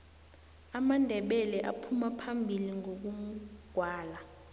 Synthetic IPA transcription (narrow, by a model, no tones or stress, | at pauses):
amandʱɛɓɛlɛʔa̰pʰumapʰambʱiliŋok̬uɡ̥ʱwaːla